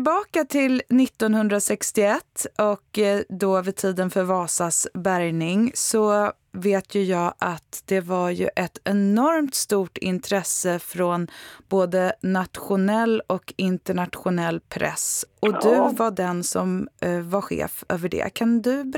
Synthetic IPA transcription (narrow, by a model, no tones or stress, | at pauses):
ɪbɑːkat̪ʰɪlnɪt̪ːɔnhɵnd̪ɾasɛkst̪ɪɛt̪ʰːɔkd̪ɔvɪt̪ʰiːd̪ənfœɾvɑːsasbæɾjnɪŋsɔ | veːt̪ʰjɵjɑːʔat̪d̪̥ɛvaɾjɵ̰ʔɛt̪ɛnɔɾmt̪st̪uːʈɪ̰nt̪ʰɾɛsːəfɾɔnboːd̪ənat̪ɧʊnɛlːɔkɪnt̪əɳat̪ɧʊnɛlːpʰɾʔɛ̰sɔd̪ɵvaɖɛnsɔmvaɾɧḛːfø̰ːvəɖɛ̰kʰand̪ɵb